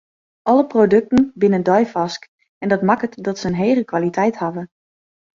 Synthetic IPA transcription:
ʔɔləprodɵk̚tən̩bɪnəndɔjfɔsk | ɛndɔtmakətdɔtsəənɦeːɣəkʋalitʰɛjthavə

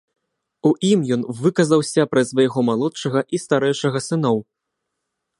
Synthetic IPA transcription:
uʔimjɔnvɨkɐzɐwsʲɐpɾɐsvɐjɣɔmalˠɔt̪ʂɐɣɐʔist̪aɾɛjʂɐɣɐsɨnɔw

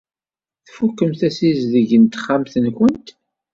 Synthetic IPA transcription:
θfukːəmθæsizðəʝənt̪χːamθənkʷənt̪

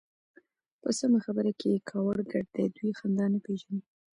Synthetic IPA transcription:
pəsamaxabəɾakekʰɑwəɽɡaɖd̪ejd̪wixand̪ɑnapeʒani

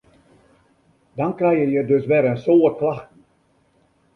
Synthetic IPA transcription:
dɑnkrɛjjəjədøsʋɛɾənsoːklaxtən̩

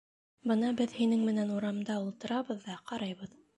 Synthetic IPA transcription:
bɤnɑbɘðhinɘŋmɘ̆nænuɾɑmd̪ɑulˠt̪ɤ̆ɾɑβɤðːɑqɑɾɑjβɤð

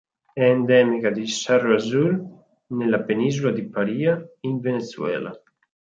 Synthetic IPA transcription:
ɛːnd̪ɛmikad̪isaroazul | nelapeninzulad̪ipaɾiːaiɱvenet̪suɛ̰ːla̰

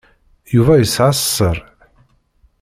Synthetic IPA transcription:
juvæjəsʕassːəɾˤ

